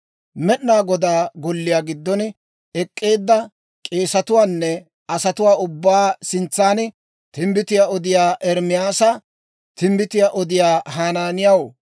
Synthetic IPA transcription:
mɛɗnaːɡɔd̪aːɡɔlːɪjaːɡɪd̪ːɔn | ɛkʼːe̞ːd̪ːɐ | kʼe̞ːsɐt̪ʊwaːnːɛ | ɐsɐt̪ʊwaːʊbːaːsɪnt͡sːaːn | t̪ɪmbɪt̪ɪjaːʔɔd̪ɪjaːʔɛɾmɪjaːsɐ | t̪ɪmbɪt̪ɪjaʔɔd̪ɪjaːɦaːnaːnɪjaw

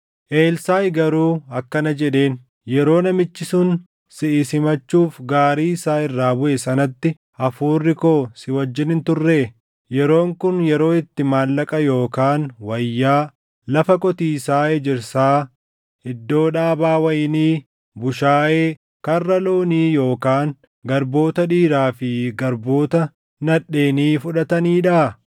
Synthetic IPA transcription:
ʔeːlsaːjɡɐɾuːɐkːɐnɐd͡ʒɛᶑe̞ːn | jɛɾo̞ːnɐmɪt͡ʃːɪsʊn | sɪʔɪsɪmɐt͡ʃːuːfɡaːɾiːɪsaːɪrːaːbʊʔɛsɐnɐt̪ːɪ | ʔɐfuːrːɪkoːsɪwɐd͡ʒːɪnɪnt̪ʊrːeː | jɛɾo̞ːŋkʊnjɛɾo̞ːɪt̪ːɪmaːlːɐkʼɐjo̞ːkaːnwɐjːaː | lɐfɐkʼɔt̪iːsaːɛd͡ʒɪɾsaː | ɪd̪ːo̞ːᶑaːbaːwɐjɪniː | bʊʃaːʔeː | kɐrːɐloːniːjo̞ːkaːŋ | ɡɐɾbo̞ːt̪ɐᶑiːɾaːfɪɡɐɾbo̞ːt̪ɐ | nɐᶑe̞ːniːfʊᶑɐt̪ɐniːᶑɐ

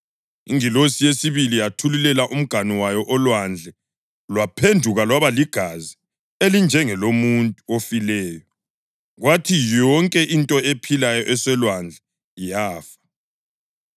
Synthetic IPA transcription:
ḭŋilosijesiβilijatʰulilɛlaʔum̩ɡ̥ʱaniwajɔʔɔlwand͡ɮʱɛ | lwapʰendʱuɣalwaβaliɡ̥ʱazi | elind͡ʒʱɛŋɛlomuntʼuofilɛːjɔ | ɣwatʰijɔŋkʼɛʔintʼɔepʰilajɔʔɛsɛlwand͡ɮʱɛ | jaːfḁ

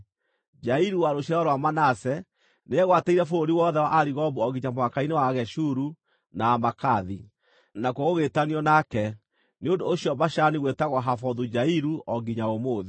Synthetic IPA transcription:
d͡ʒaiɾuwaɾoɕaɔɾowamanasɛ | neɛɣwateiɾɛfooɾiwɔðɛwaʔaɾiɣɔbuɔɡiɲamowakainewaɣɛʃuɾu | naːmakaði | nakwoɣoɣetaniɔnakɛ | neondoːɕjɔbaʃaniɣwetaɣwaɦafɔðud͡ʑaiɾuʔɔɡiɲaomoːði

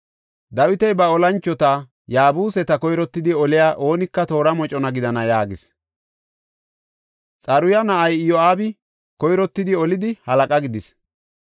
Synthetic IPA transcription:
d̪ɐwɪt̪ɛjbɐɔlɐnt͡ʃːɔt̪a | jaːbuːsɛt̪ɐkɔjɾɔt̪ːɪd̪ɪɔlɪjaːʔo̞ːnɪkːɐt̪o̞ːɾɐmɔt͡ʃʼɔnɐɡɪd̪ɐnɐjaːɡɪs | t͡sʼɐɾʊjɐnɐʔɐjjɔaːbɪ | kɔjɾɔt̪ːɪd̪ɪɔlɪd̪ɪhɐlɐkʼɐɡɪd̪ɪs

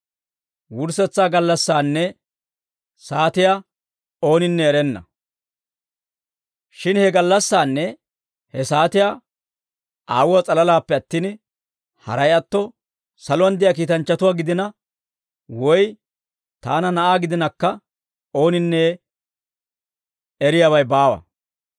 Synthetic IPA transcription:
wʊɾsɛt͡sːaːɡɐlːɐsːaːnːɛ | saːt̪ɪjaː | o̞ːnɪnːɛɛɾɛnːɐ̰ | ʃɪnhɛɡɐlːɐsːaːnːɛ | hɛsaːt̪ɪjaː | ʔaːwʊwat͡sʼɐlɐlaːpːɛɐt̪ːiːn | hɐ̰ɾɐjɐt̪ːɔ | sɐlɔwɐnd̪ɪjaːk̬iːt̪ɐnt͡ʃːɐt̪ʊwaːɡɪd̪ɪnɐ | wɔj | t̪aːnɐnɐʔaːɡɪd̪ɪnɐkːɐ | o̞ːnɪnːeː | ɛɾɪjawɐjbaːwɐ̰

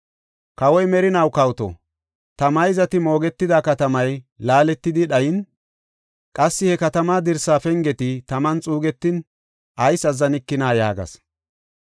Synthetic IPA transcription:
kɐwɔjmɛɾɪnɐwkɐwt̪ɔ̰ | t̪ɐmɐjzɐt̪ɪmo̞ːɡɛt̪ːɪd̪aːkɐt̪ɐmɐjlaːlɛt̪ːɪd̪ɪɗɐjɪn | kʼɐsːɪhɛkɐt̪ɐmaːd̪ɪɾsaːfɛŋɡɛt̪ɪt̪ɐmɐnt͡sʼuːɡɛt̪ːɪn | ʔɐjsɐzːɐnɪkːɪnaːjaːɡɐ̰s

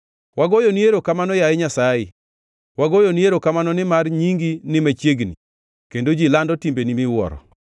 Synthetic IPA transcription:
waɡojonieɾokamanɔjaɪɲasajɪ | waɡojonieɾokamanɔnɪmarɲiŋɡinɪmat͡ʃjeɡni | kendod͡ʒilandɔtimbenimɪwɔ̰ɾɔ̰

